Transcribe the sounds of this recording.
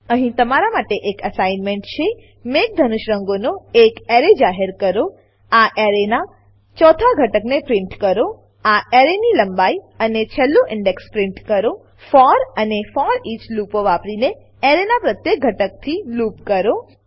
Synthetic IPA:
əɦĩt̪əmaɾamaʈeʔekəsajnmeɳʈt͡ʃʰe | mek̚d̪ʱənuʃɾəŋɡonoekeɾed͡ʒaɦeɾkəɾo | aʔeɾena | t͡ʃɔt̪ʰaɡʱəʈəknepɾɪ̃ɳʈkəɾo | aeɾeniləmbai | ənet͡ʃʰəlːoʔɪɳɖekspɾɪ̃ɳʈkəɾo | fɔɾənefɔɾit͡ʃlupoʋapɾine | eɾenapɾət̪jek̚ɡʱəʈək̚t̪ʰilupkəɾo

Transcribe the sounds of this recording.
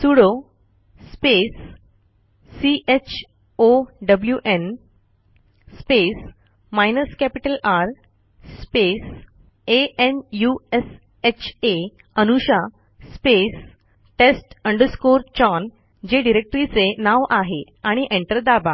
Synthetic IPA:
suɽo | spes | iʔet͡ɕʰ | oɖəbljuʔen | spes | majnəskæpiʈəlaɾ | spes | eenjues | et͡ɕʰe | ənuɕa | spes | ʈesʈəɳɖəɾskoɾt͡ɕɔn | d͡ʑeɖiɾek̚ʈɾit͡senaʋʔaɦe | aɽ̃iʔẽɳʈəɾd̪aba

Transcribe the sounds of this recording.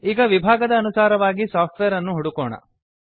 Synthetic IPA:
iːɡɐʋibʱaːɡɐd̪ɐːnusaːɾɐʋaːɡisaːp̚ʰʈʋeːɐɾɐnːuɦuɽukɔːɳɐ̰

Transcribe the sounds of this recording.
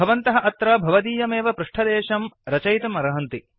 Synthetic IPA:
ɐʋɐnt̪ɐɦɐʔɐt̪ɾɐbʱɐʋɐd̪iːjɐmeːʋɐpɾuʂʈʰɐd̪eːʃɐmɾɐt͡ʃɐjt̪ɐmɐɾɐɦɐnt̪i

